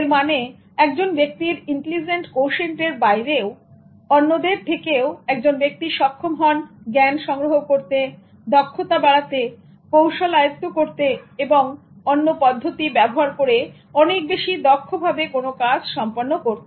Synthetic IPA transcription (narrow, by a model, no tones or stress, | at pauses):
ɾmane | ɛkd͡ʑonbek̚t̪iɾiɳʈelid͡ʑeɳʈkowʃeɳʈeɾbajɾeo | ɔnːod̪eɾt̪ʰekeoɛk̚d͡ʑonbek̚t̪iʃɔkʰːomɦɔnɡɛnʃɔŋɾoɦokoɾt̪e | d̪ɔkʰːot̪abaɽat̪e | kowʃalajot̪ːokoɾt̪eeboŋ | ɔnːopɔd̪ʱːot̪ibɛboɦaɾkoɾe | ɔnek̚beʃid̪ɔkʰːobʱabekonokad͡ʑʃɔmponːokoɾt̪e